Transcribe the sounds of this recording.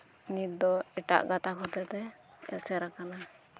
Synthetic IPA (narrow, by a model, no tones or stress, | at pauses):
nit̪̚d̪ɔɛʈa̰ʔɡat̪akʰɔt̪ɛt̪ɛ | ɛ̰sɛɾakana